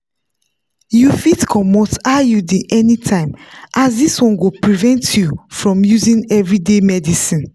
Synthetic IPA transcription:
jufitkʰɔmotajudiʔɛnitʰãɪ̃mʔasdiswɔ̃nɡopɹivɛ̃ntʰjufɹɔ̃mjuzĩnɛvɹidemɛdisĩn

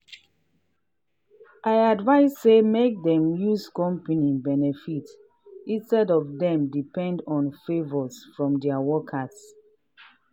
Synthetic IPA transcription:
ʔaɪadvaɪsːemek̚dɛ̃mjuskɔ̃mpənĩbɛnɛfit | ĩnstɛdɔvdɛ̃mdipɛ̃ndɔ̃nfevɔsfɹɔ̃mdɛawɔkʰass

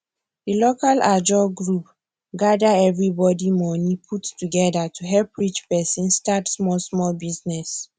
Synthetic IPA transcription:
dilokalad͡ʒɔɡɹup | ɡadaɛvɹibɔdimɔnipʰuttuɡɛdatʰuɦɛlpɹit͡ʃpɛsĩnstatsmɔlsmɔlbiznɛs

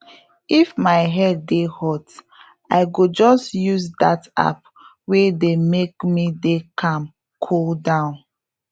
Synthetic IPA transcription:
ifmaɪɦɛdːehɔt | aɪɡod͡ʒɔstjuzdata̰p̚ | wedemekmidekʰãm | kʰoldãʊ̃n

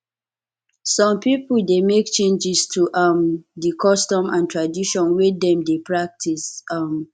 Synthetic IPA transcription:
sɔ̃mpipuldemek̚t͡ʃẽnd͡ʒistʰuʔamdikʰɔstɔ̃mãntɹadiʃɔ̃nwedɛ̃mdepʰɹak̚tʰisam

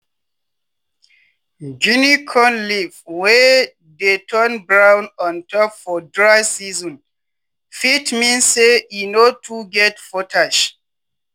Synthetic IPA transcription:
d͡ʒinikʰɔ̃nlivwɛ | detʰɜnbɹãwnɔ̃ntʰɔpfɔdɹaɪsizɔ̃n | fitmĩnsːeinotʰuɡɛtfɔtʰaʃ

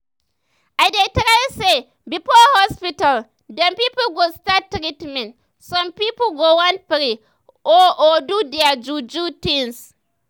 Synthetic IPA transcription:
ʔajdetɐɾajse | bipolhɔspital | dɔmpiːpulɡostatːɾitmɛ̃nt | sɔmpipulɡowanpɾi | ʔoʔodudiad͡ʒud͡ʒutins

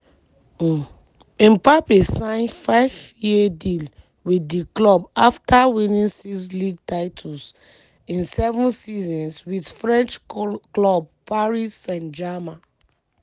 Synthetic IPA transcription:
ĩmpapesãɪ̃nfaɪvjiedil | widiklɔbaftʰawinĩnsisliɡ̚taɪtʰuls | ĩnsɛvũnsizɔ̃nswidfɹɛ̃nt͡ʃklɔb̚paɹisɛ̃nd͡ʒama

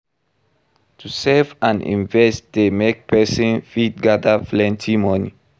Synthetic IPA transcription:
tʰusɛvãnḭ̃nvɛstdemek̚pɛsĩnfit̚ɡadaplɛ̃ntʰimɔnḭ

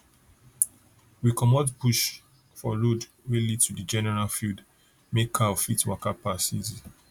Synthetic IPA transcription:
wikɔmɔdpuʃ | fɔɹod | welitudid͡ʒɛnɛɹalfild | mekʰːaɔfitwakapasḭz

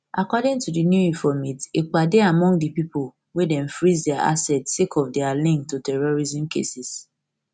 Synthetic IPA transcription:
ʔakɔdɪ̃ŋtudinjuĩnfɔmitek͡padeamɔ̃ŋɡdipipol | wedɛ̃ɱfɹizdɛaa̰sɛtsekʰɔfdɛalĩŋk̚tutɛɹɔɹizĩmkʰḛsis

